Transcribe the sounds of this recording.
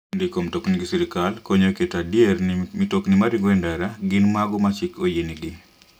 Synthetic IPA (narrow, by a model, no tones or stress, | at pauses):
ndikomtokniɡisiɾikalkoɲoketadjernmitoknimaɾiŋɡɔɛndaɾaɡɪnmaɡɔmat͡ʃikojeniɡɪ